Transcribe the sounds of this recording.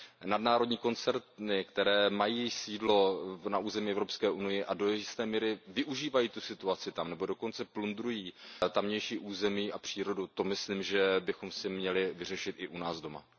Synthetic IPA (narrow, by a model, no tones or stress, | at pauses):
nadnaːɾo̞dɲiːko̞nt͡sɛɾt̪nɪkt̪ɛɾɛːmajiːjɪʃsiːdlo̞naʔuːzɛmiɛvɾopskɛːʔunɪjɪʔado̞jɛʒɪst̪ɛːmiːɾɪvɪʔuʒiːvajiːt̪usɪt̪uat͡sɪt̪amnɛbo̞do̞ko̞nt͡sɛplund̪ɾujiːt̪amɲɛjʃiːʔuːzɛmiːʔapr̝̥iːɾo̞dut̪o̞mɪsliːmʒɛbɪxo̞msɪmɲɛlɪvɪr̝ɛʃɪt̪ɪʔunaːzdo̞ma̰